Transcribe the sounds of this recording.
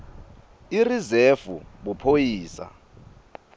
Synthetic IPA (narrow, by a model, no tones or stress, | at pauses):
irizefṵɓupʰojiːsa̰